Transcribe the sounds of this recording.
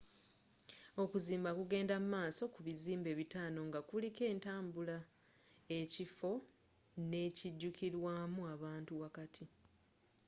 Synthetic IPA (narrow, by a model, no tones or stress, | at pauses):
o̞kuziːmbakuɡe̞ːndamumaːso̞kuβiziːmbe̞ːβitaːno̞ŋɡakulike̞ːntaːmbula | e̞cifo̞ | ne̞ːciɟːukiɾwaːmuaβaːntuwakatʰi